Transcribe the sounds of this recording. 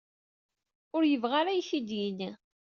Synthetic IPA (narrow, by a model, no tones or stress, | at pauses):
ʊɾjəvʁaɾæjθid̪jini